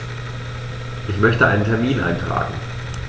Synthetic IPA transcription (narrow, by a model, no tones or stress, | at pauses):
ʔɪçmœçtəʔaɪnəntʰɛɐmiːnʔa̰ɪntʁ̥a̰ːɡŋ̩